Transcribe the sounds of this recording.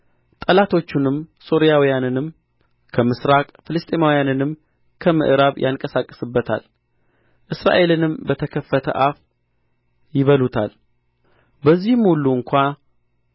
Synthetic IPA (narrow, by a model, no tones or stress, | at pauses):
t̪ʼəlat̪ʰo̞t͡ʃːunɨmso̞ɾijawijanɨnɨm | kʰəmɨsɾakʼfɨlɨst̪ʼemawijanɨnɨm | kʰəmɨ̰ʔɨɾaβjʔaŋkʼəsakʼːə̥sɨbːət̪ʰa̰l | ʔɨsɾa̰ʔe̞lɨnɨmbət̪ʰəkʰəfːət̪ʰə̰ʔaf | jɪβəlut̪ʰa̰l | bəzːihmhulːuɨŋkʷa